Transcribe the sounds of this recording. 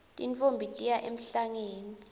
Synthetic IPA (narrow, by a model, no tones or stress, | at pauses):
tʼḭnt͡fʼombʱitʼijaʔem̩ɬaŋeːni